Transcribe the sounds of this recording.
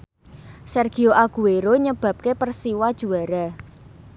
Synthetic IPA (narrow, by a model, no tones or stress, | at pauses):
sɛrɡ̥i̤oʔaɡ̥ṳeɾoɲəb̥ä̤p̚kepərsiwad̥ʒ̥ṳaɾa